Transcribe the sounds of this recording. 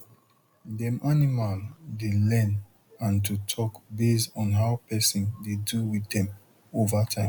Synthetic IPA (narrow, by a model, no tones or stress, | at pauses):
dɛ̃mʔanimaldelɛ̃n | ãnt̬utʰɔkbesɔ̃nɦaʊpɛsɔ̃ndeduwiθɛ̃m | ovatʰãɪ̃m